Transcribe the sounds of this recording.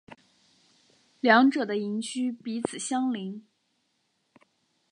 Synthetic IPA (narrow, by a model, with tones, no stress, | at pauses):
ljɑ˧˥ŋʈ͡ʂɤ˨˩d̪ə˦i˧˥ŋt͡ɕʰy˥pi˧˥t͡sʰɹ̩˨˩ɕjɑ˥ŋli˧˥ŋ